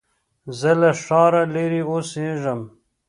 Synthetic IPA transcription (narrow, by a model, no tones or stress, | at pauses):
zɐleʂɑːɾɐleɾiosẽːʐɐm